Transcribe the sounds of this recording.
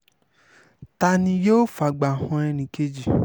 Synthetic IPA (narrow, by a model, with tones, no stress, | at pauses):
ta˧nĩ˧jo˦fa˨ɡ͡ba˨hɔ̃˧ɛ˧nĩ˨ke˧˦d͡ʒi˨